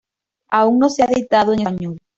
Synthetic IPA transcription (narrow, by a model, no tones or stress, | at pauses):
auŋnõseaðejt̪aðoeŋeɲol